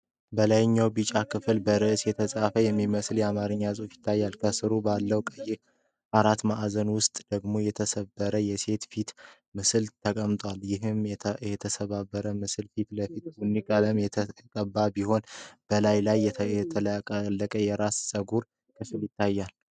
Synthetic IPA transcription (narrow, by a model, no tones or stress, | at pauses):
bəlajɪɲːawbɨt͡ʃʼakʰɨfɨlbəɾɨʔsjɛt̪ʰəsʼafəjɛmːiməsljɛamaɾɨɲːazʼufjɪ̥t̪ʰːajːalkʰəsɨɾubalːəwkʼəje | aɾat̪maʔzənwʊst̪ʼd̪̥əɡmo̞jɛt̪ʰəsəbːəɾəjɛse̞t̪fit̪ | mɨsɨlt̪ʰəkʼəmt̪ʼwaljɪɦɨmjɛjɛt̪ʰəsəβabːəɾəmɨsɨlfit̪ləfit̪wunːikʼələmjɛt̪ʰəkʼəbːabiho̞nb̥əlajlajːɛɛt̪ʰəkʼlːəkʼəjɛɾassʼəɡuɾ | kʰɨfɨljɪt̪ʰːajːal